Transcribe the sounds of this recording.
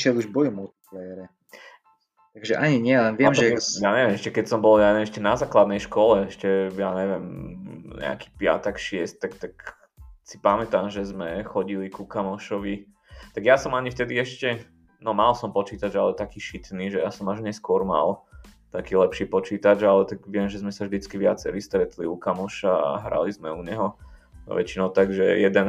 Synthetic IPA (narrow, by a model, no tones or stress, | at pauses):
ʃɛluʒbɔjumult̪i̥plɛjɛɾɛ | t̪aɡʒɛʔaɲiɲɪɛlɛnʋɪɛmʒɛjaɲɛʋɪɛmɛʃcɛkɛcsɔmbɔljaɛʃcɛnazaːklad̪nɛjʃkɔlɛɛʃcɛjaɲɛʋɛmɲɛ̰a̰kiːpɪa̰t̪ɛkʃɪɛsc̚t̪akt̪ak | sipamɛt̪amʒɛzmɛxɔɟilikukamɔʃɔʋi | t̪aɡjasɔmaɲift̪ɛd̪iɛʃcɛ | nɔmalsɔmpɔt͡ʃiːt̪ad͡ʒalɛt̪akiːʃit̪niːʒɛjasɔmaʒɲɛskʊɔɾma̰lt̪akiːlɛpʃiːpɔt͡ʃiːt̪ad͡ʒalɛt̪aɡʋɪɛmʒɛzmɛsavʒd̪it͡skiʋɪat͡sɛɾist̪ɾɛt̪liukamɔʃaa̰ɦɾa̰lizmɛuɲɛɦɔ̰ | ʋɛ̰t͡ʃinɔʊt̪aɡʒɛ̰jɛd̪ɛn